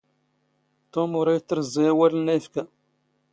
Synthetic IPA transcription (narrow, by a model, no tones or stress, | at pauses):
t̪omʊɾajt͡s̪ːɾˤzˤːijæwælənːæjəfkæ